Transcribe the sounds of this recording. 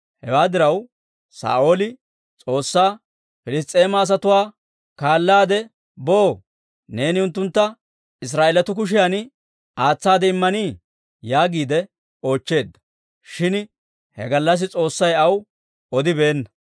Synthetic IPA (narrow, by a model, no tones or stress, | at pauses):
hɛ̰waːd̪ɪɾɐw | sa̰ːʔo̞ːlɪ | t͡sʼo̞ːsːaː | fɪlɪs̬t̪ʼːe̞ːmɐːs̬ɐt̪ʊwaː | kaːlːaːd̪ɛ | boː | ne̞ːnɪʊnt̪ːʊnt̪ːɐ | ɪs̬ɾaːʔeːlɐt̪ʊk̬ʊʃ̬ɪjan | aːt͡sːaːd̪ɛɪmːɐniː | jaːɡiːd̪ɛ | o̞ːt͡ʃːe̞ːd̪ːɐ̥ | ʃɪn | hɛ̰ɡɐlːɐs̬ɪt͡sʼo̞ːsːɐjɐw | ɔd̪ɪbe̞ːnːɐ